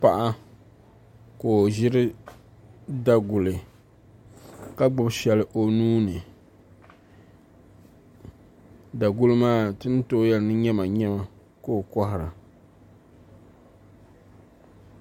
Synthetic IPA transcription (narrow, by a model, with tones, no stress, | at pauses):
pa˦˨ʔa˦ | ko˨ʒɪ˦ɾɨ˦ | da˨ɡʊ˨lɨ˨ | ka˦ɡ͡bʊ˨˦bʃɛ˨lɨ˨ʔo˨nuː˦nɨ˨ | da˨ɡʊ˦lɨ˦maː˦tɨ˦n˦to˦jɛ˦lɨ˨nɨ˦ɲɛ˦ma˨ɲɛ˦ma˨ | ko˦˨kɔ˦hɪ˨ɾa˨